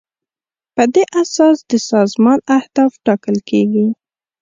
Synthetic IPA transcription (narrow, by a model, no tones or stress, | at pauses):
pəd̪eʔasɑsd̪əsɑzmɑnahd̪ɑfʈɑkəlkeɡi